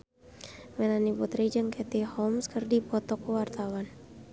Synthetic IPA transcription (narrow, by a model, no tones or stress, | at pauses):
mɛlaniput̪ɾid͡ʒɨŋkɛt̪ihɔmskərdipɔt̪ɔkuwart̪awan